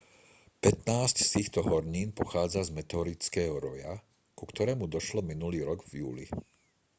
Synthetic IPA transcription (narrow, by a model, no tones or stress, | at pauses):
pɛt̪naːscst̪iːxt̪ɔɦɔɾɲiːnpɔxaːd͡zazmɛt̪ɛɔɾit͡skɛːɦɔɾɔja | kukt̪ɔɾɛːmud̪ɔʃlɔminuliːɾɔɡvjṵːlḭ